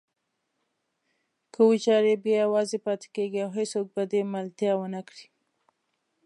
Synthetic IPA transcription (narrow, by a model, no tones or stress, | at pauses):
kəwit͡ʃɑɾebjɑjawɑzepɑt̪e̥keɡiawɦesok̚bad̪emalt̪jɑwənakɽi